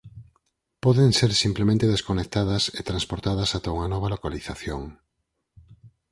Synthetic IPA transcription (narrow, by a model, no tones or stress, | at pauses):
pɔðeŋseɾsimplemẽnt̪eðeskonek̚t̪að̞ɐset̪ɾanspoɾt̪aðɐsat̪auŋɐnɔβ̞ɐlokaliθaθjoŋ